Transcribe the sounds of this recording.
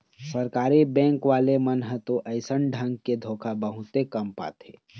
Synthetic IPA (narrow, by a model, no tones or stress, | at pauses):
səɾkaːɾibɛ̃ːŋkʋaːlemənɦə̃t̪oʔəɪsənɖʱə̃ŋɡ̚ked̪ʱoːkʰabəɦʊt̪ekəmpa̰ːt̪ḛː